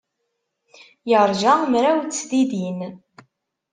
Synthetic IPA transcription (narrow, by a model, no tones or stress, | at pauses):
jəɾˤʒamɾæwt͡sːd̪id̪in